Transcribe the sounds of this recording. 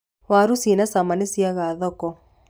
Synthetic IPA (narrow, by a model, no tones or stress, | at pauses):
waɾusinasamanesiaɣaðɔkɔ